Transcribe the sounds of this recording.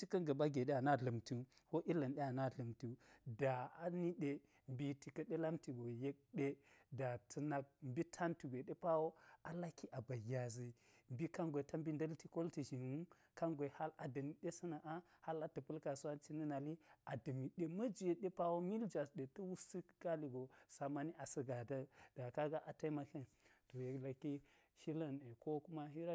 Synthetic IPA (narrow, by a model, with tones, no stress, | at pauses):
t͡ʃi˦kɐ˦ŋɡɐ˨ba˦ɡe˨ɗe˦a˨na˦˨ɮɐ˨mti˦ | ko˦ʔi˦lɐ˨nɗe˦a˨na˦˨ɮɐ˨mti˨da˨a˨ni˦ɗe˦ | m˨bi˦ti˨kɐ˦ɗe˦la˦mti˨ɡo˨je˦k̚ɗe˦da˨tʰɐ˨na˨k̚mbi˦tʰa˦nti˨ɡʷe˨ɗe˦pa˦wo˦a˦la˦ki˦ʔa˨ba˨ja˨zi˨ | m˨bi˦ka˦ŋɡʷe˨ta˦mbi˦ndɐ˦lti˦ko˦lti˨ʒi˨nwu˦ | ka˦ŋɡʷe˨ha˦la˨dɐ˨mi˨ɗe˦sə˦na˨ʔa˦ha˦la˦tə˨pu˦lka˨su˦a˦t͡ʃi˦ni˦na˨li˦a˨də˨mi˨ɗe˦mə˦d͡ʒi˨je˨ɗe˦pa˦wo˦mi˦ld͡ʒa˨sɗe˨tə˦wu˦si˦kɡa˦li˨ɡo˨sa˨ma˨ni˦ʔa˨sə˦ɡa˨da˦d̥a˨ka˦ɡa˦ʔa˨ta˦i˦ma˦ke˦nto˨je˨la˨ki˦ | ʃi˦la˦ne˨ko˦ku˦ma˦ɦi˦ɾa˦